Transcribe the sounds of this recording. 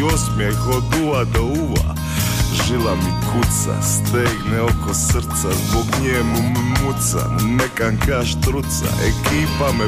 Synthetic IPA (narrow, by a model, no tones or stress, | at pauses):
osmiekod̪uad̪auʋa̰ | ʒilamikʰut̪sa̰st̪eːɡnɛokosr̩t̪sazboɡɲeːmummut̪sa̰nɛkaŋkaʃt̪ɾut̪sa̰ʔḛkʰiːpame